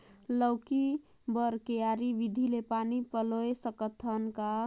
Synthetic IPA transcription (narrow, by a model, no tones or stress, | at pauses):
ləʊki | bəɾkejaɾiʋid̪ʱilepanipəloesəkət̪ʰːənka